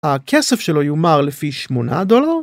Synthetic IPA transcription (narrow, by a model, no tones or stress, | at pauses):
hakʰesefʃelo̞jomaʁlefiʃmona̰d̪o̞laʁ